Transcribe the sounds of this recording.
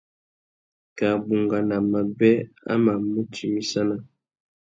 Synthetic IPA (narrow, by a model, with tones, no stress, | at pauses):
ka˨bu˨ŋɡa˨na˨ma˨bɛ˦a̰˦ma˨mu˦tʰi˨mi˦sa˦na˦